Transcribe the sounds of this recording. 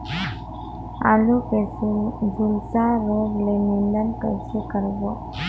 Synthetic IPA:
a̰lukesid͡zʱulsaɾoɡleninlənkəjsekəɾbɔ

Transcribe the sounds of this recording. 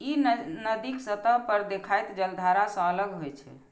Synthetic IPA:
innəd̪iksət̪əɦpəɾd̪ekʰajt̪d͡ʒəld̪ʱaɾasə̃ələɡɦojt͡ʃʰɛ̰

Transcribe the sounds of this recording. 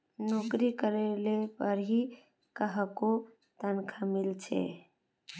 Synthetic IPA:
nokɾikəɾelepəɾɦi | kəɦko | t̪ənkʰamɪlt͡ʃʰḛ

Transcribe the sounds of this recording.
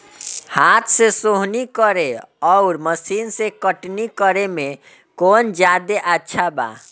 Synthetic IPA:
hat̪ʰsẽsoɦnikəɾeɔʊɾməsinsẽkəʈnikəɾeme | kond͡ʒad̪eʔətːʃʰaba̰

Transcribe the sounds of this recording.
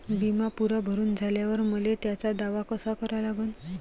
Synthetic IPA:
bimapuɾabʱəɾuːnd͡zʱaljaʋəɾməlet̪jat͡sad̪aʋakəsakəɾalaɡuːn

